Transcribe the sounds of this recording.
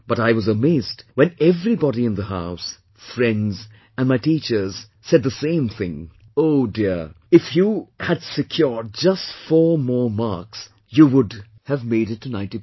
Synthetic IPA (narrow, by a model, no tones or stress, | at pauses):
b̥ʌɾaɪwʌzəmeɪzdwɛ̃nɛvɹibɑɾiɨ̃nðəɦaʊs | fɹɛ̃ndz | ɨ̃nmaɪtit͡ʃə˞z̥ | sɛd̪̚ðəsẽɪ̃mθɪ̰̃ŋ | oʊdɪɹ | ɨfjuhɨdsɨkʰj̥ɔɹd̚d͡ʒʌstfɔɹmɔɹmɑɹks | juwʊd | hɨvmeɪɾɨtʰːɨnãɪ̃nti